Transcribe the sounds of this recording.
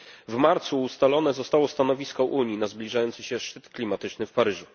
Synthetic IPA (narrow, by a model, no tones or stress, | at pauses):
vmaɾt̪suːst̪alɔnɛzɔst̪awɔst̪anɔvʲiskɔʔuɲinazblʲiʐajɔnt̪sɘɕɛʂt͡ʂɘt̪klʲimat̪ɘt͡ʂnɘfpaɾɘʐu